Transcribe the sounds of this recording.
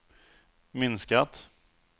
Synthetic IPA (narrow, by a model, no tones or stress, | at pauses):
mɪnskat̪